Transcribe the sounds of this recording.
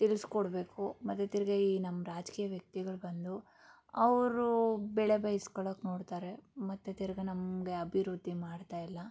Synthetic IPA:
t̪ilskoɽbe̞ːkumɐt̪ːet̪iɾɐɡeiːnɐmːɾaːd͡ʒkiːjɐʋjɐk̚t̪iɡɐɭbɐnd̪u | ɐʋɾubɛɭe̞bɐjiskoɭokːno̞ːɽt̪aːɾe̞mɐt̪ːet̪iɾɐɡenɐmɡe̞ɐbʱiɾud̪ʱːimaːɽt̪aːjilːɐ

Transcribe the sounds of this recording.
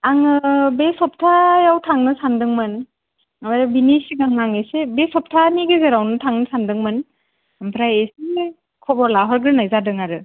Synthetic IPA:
aŋɯbesɔp̚tʰajawtʰaŋnɯsandɯŋmɯn | amaɾbinisiɡaŋnaŋesebesɔp̚tʰaniɡezeɾawnɯtʰaŋnɯsandɯŋmɯn | ampʰɾajesi | kʰɔbɔɾlaɦɔɾɡɯnajzadɯŋaɾɯ

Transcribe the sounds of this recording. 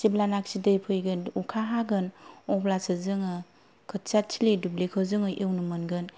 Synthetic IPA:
siblanak̚sidɯjpʰɯjɡɯnukʰaɦaɡɯnɔblasɯzɯŋɯ | kʰɯtt͡ʃatt͡ʃʰilidublekʰɯzɯŋɯʔewnɯmɯnɡɯn

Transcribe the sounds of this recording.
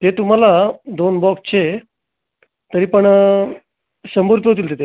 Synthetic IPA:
t̪et̪um̤alad̪onbɔkst͡ɕʰe | t̪əɾiːpəɳ | ɕəmboɾit̪ɦot̪̬iːlt̪et̪e

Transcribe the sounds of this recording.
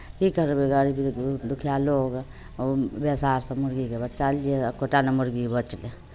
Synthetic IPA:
kikəɾbeɡaɽibid̪ukʰijaloːɡ | besaːɾsəmuɾɡikebət͡ʃaliekʰoʈanemuɾɡibət͡ʃle

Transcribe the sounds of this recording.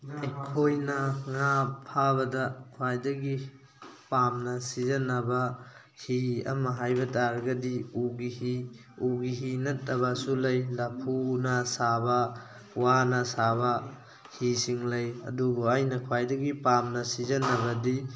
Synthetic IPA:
ajkʰojnɐŋapʰːabɐdɐkʰwajdɐɡi | pamnɐsizɐnɐbɐ | hiɐ̰mɐɦajbɐtaɾɐɡɐdiuɡihi | uɡiɦinɐtːɐβɐsulɐjlapʰunɐsabɐ | wanɐsaβɐ | hisiŋlɐjɐ̰dubuajnɐkʰwajdɐɡipamnɐsizɐnːɐbɐdi

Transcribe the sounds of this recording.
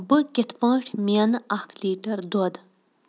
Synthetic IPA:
bəket̪paŋʂmianʔahkʰliʈard̪od̪

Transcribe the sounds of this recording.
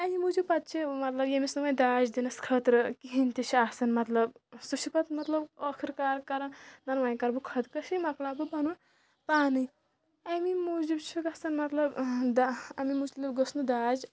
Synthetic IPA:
ɐmimud͡ʒibpɐt̪̚t͡ʃʰimɐt̪lɐbjemisɐmɐjd̪aːd͡ʒd̪inɐskʰɐt̪ɾɨkiɦint̪it͡ʃʰiasɐnmɐt̪lɐbsuʃipɐt̪mɐt̪lɐbəkʰiɾkaːɾkɐɾɐnɐnʋajkɐɾbukʰɐd̪kɐʃimɐklaːbɨbɐnu | paːnɨj | ɐmimud͡ʒibt͡ʃʰuɡɐsɐnmɐt̪lɐbd̪aɐmimut͡ʃliɡɐsnud̪aːd͡ʒ

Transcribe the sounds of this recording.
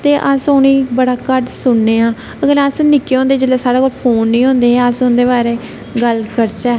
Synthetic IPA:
t̪eːʔəsʊnĩːbəɽaːkəʈsʊɳːeːãː | əɡəɾasnɪkːeːɦõːnd̪eːd͡ʒəleːsaːɽaːkoːlpʰoːnːĩːɦõːnd̪eːɦɛːəsʊnd̪eːbaːɾeː | ɡəlkəɾt͡ʃaː

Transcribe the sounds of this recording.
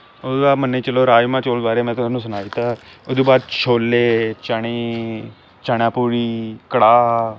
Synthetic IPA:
oaːmənːeːt͡ʃəloːɾaːd͡ʒmãːt͡ʃoːlbaːɾeːmɛ̃ːt̪ʊsaːnũːsənaːiːt̪aːʊd̪oːbaːd̪t͡ʃʰoːlːeːt͡ʃaɽ̃eː | t͡ʃaːɳãːpuːɾiːkəɽaː

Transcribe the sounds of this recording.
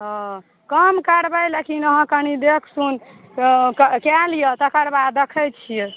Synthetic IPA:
ɦɔ̃ | kəmkəɾbəjlekinəɦə̃kənid̪ekʰsun | kkɛlijət̪əkəɾbad̪ːəkʰəjt͡ʃʰije

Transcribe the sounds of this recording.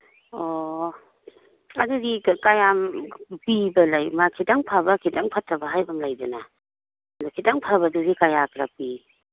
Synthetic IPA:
ɔ | aduɡikajampibalajmakʰitaŋpʰabakʰitaŋpʰatʰːabaɦajbamlajdɯna | dukʰitaŋpʰabaduɡikajakɾa̰pi

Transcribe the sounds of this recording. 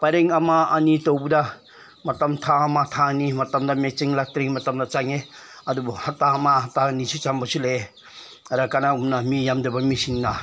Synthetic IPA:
pajɾeŋɐmaɐnitowbudɐ | mɐtɐmtʰaɐmatʰanimɐtɐmdɐmet͡ʃiŋlak̚tɾeŋmɐtɐmdɐt͡ʃaŋeɐdubuhatamaɦatanisut͡ʃambɐsulee | ɐɾakanaumnamijamdɐbɐmisiŋna

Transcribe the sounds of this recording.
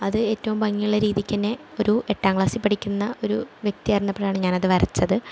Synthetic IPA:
ɐðɨeːtːɐʋumbɐŋːijuɭːɐɾiːðikʲːɐnːe | o̞ɾue̞ʈːaːŋɡɭaːsipːɐʈʰikʲːunːɐo̞ɾuʋjek̚t̪iɐrnːɐpːeɽaːɳɨɲaːnɐðɨʋɐrɐt͡ɕːɐðɨ

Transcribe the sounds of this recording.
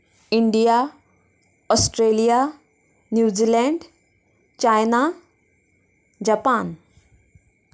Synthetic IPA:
iɳɖija | ɔsʈɾelija | njuːd͡ʑilɛɳɖ | t͡ɕajna | d͡ʑapaːn

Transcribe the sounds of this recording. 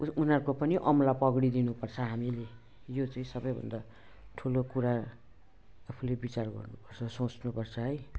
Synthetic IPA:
unʌɾkopʌniʔʌmlapʌɡɽid̪inupʌrt͡sʰʌɦamile | jot͡saĩsʌbʌjbʱʌ̰nd̪a | ʈʰulokuɾa | pʰulebit͡sarɡʌ̰rnupʌrt͡sʰʌsõt͡snupʌrt͡sʰʌɦʌj

